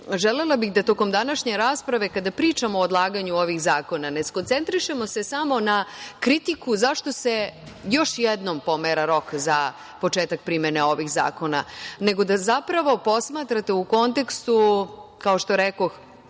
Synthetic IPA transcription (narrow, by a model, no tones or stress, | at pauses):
ʒelelˠabixd̪at̪o̞ko̞md̪anaʃɲe̞ɾaːspɾaʋe̞kad̪apɾiːt͡ʃamood̪lˠaːɡaɲuo̞ʋixzaːko̞nanesko̞nt̪se̞nt̪ɾiʃe̞mo̞se̞samo̞nakɾit̪ikuzaʃt̪o̞se̞jo̞ʃjed̪no̞mpo̞meɾaɾo̞kza | po̞t͡ʃeːt̪ak̚pɾimeneo̞ʋixza̰ːko̞na̰ne̞ɡo̞d̪azapɾaʋo̞po̞smaːt̪ɾat̪e̞uko̞nt̪e̞kst̪ukao̞ʃt̪o̞ɾeko̞x